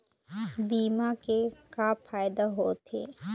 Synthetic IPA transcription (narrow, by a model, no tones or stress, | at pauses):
biːmakekafʰaːjd̪aɦoːt̪ʰḛː